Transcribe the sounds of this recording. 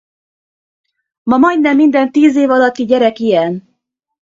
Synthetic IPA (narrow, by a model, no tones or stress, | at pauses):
mɒmɒjd̪nɛmːind̪ɛnt̪iːzeːvɒlɒt̪ːiɟɛɾɛkijɛn